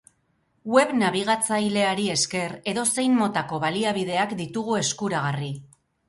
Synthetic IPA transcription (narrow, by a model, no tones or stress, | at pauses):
we̞βnaβ̞iɣ̞at͡sajle̞aɾie̞ske̞ɾe̞ðo̞se̞jmmo̞t̪ako̞βaliaβ̞iðe̞akd̪it̪uɣ̞ue̞skuɾaɣ̞ari